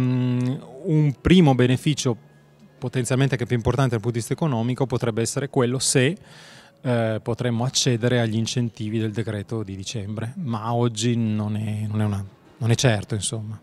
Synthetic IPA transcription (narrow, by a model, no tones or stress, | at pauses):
umpɾiːmobenefiːt͡ʃo | pot̪enjalment̪ekɛpjuimport̪aned̪lput̪ovist̪ekonɔːmikopot̪ɾɛbːeɛsːeɾekwelːose | pot̪ɾemːoat͡ʃːeːd̪eɾeaʎːiint͡ʃent̪iːvid̪eld̪ekɾɛːt̪od̪id̪it͡ʃɛmbɾemaɔd͡ʒːinonɛnonɛuna | nonɛt͡ʃːɛrt̪oinsomːa